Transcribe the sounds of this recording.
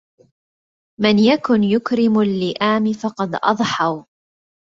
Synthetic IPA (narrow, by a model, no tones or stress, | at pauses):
mɪnjakʊnjʊkɾɪmʊlːɪʔaːmɪfɑqɑd̪ʔɑ̰ðˤħɑw